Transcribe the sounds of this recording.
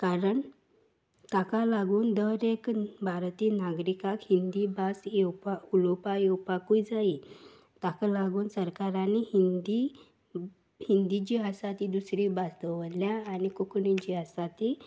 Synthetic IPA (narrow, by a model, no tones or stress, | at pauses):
kaɾəɳ | t̪akalaɡuːnd̪əɾekbʱaɾt̪iːnaɡɾikakhind̪ibasɛwpaulɔpajɛwpakũjd͡zai | t̪akalaɡuːnsəɾkaɾanihind̪i | hind̪id͡ʑiɦasat̪id̪usɾibast̪əʋəljaːnikuknĩd͡ʑiɦasat̪i